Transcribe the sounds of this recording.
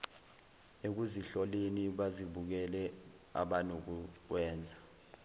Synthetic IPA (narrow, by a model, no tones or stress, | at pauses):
ek̬uziɬɔleniɓaziɓuk̬ɛlɛ | a̰ɓanok̬uk̬wɛːnd͡zʱa